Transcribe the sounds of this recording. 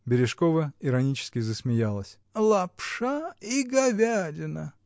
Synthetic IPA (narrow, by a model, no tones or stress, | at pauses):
bʲɪɾʲɪʂkovəɪɾɐnʲit͡ɕɪ̥skʲɪzəsmʲɪjalˠəsʲ | lˠɐpʂaiɡɐvʲadʲɪnə